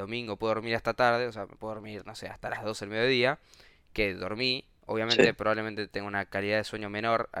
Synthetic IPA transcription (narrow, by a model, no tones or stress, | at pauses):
omĩŋɡo̞pweðoɾmiɾast̪at̪aɾðeoseamepwe̞oɾmiɾno̞se̞a̰st̪alazðo̞seelmeðjoðia | keðo̞ɾmi | o̞̰βjament̪e̞pɾoβaβlement̪et̪eŋɡunakaliðaðeswe̞ɲo̞me̞no̞ɾa